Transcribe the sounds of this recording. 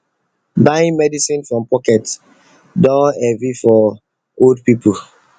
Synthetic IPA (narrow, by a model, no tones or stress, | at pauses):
baĩmɛdisĩnfɹɔ̃mpɔkɛt | dɔ̃nɛvifɔ | oldpipʰu